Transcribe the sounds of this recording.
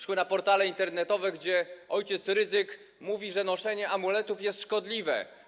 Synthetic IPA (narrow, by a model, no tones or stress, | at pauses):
ʂwɘnapɔɾt̪alɛint̪ɛɾnɛt̪ɔvɛɡd͡ʑɛʔɔjt͡ɕɛt̪sɾɘzɘk | muvʲiʐɛnɔʂɛɲɛʔamulɛt̪ufjɛst̪ʂkɔd̪lʲivɛ̰